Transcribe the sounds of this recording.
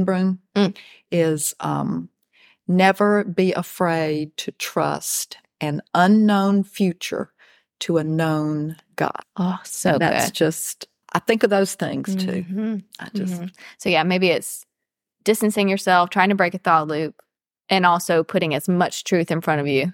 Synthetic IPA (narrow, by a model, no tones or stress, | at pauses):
nbɹɨ̃n | ɪz̥ʌ̰̃m | nɛvə˞biʔəfɹeɪd̚tʰɨtʰɹ̥ʌ̰st | ʔɨ̃nʌ̃nːõʊ̃nfjʉt͡ʃə̰˞ | ɾəɨnõʊ̃n | ɡ̥ɑ̰̥ʔosooʊɡðæ̰tʊ̰sd̥ʒ̥ʌst | ʔaɪθɪ̃ŋkʌvðoʊz̥θɪ̰̃ŋz̥tʰʉ̰̥ʔaɪd͡ʒʌssoʊjæmeɪbiɪts | d̥ɪstɨ̃n̩sɪ̃ŋjə˞sɛlˠftʰɹ̥aɪɪ̃ŋtʰəbɹeɪkɨθɔtˡlʉp̚ | ɨ̃nɔlˠsoʊpʰʊɾɪ̃ŋɨzmʌt͡ʃtʰɹ̥ʉθɨ̃nfɹʌ̃ɾ̃ʌvjʉ